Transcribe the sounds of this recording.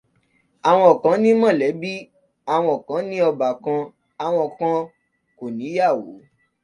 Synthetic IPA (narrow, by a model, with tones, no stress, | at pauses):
a˨w̃ɔ̃˧ɔ˨kã˨˦nĩ˦mɔ̃˦˨lɛ˨˦bi˦ | a˧˨w̃ɔ̃˧˨kã˨˦nĩ˦ɔ˧ba˨kã˧ | a˨w̃ɔ̃˧kã˧˦ | ko˨nĩ˨˦ja˦˨wo̰˨˦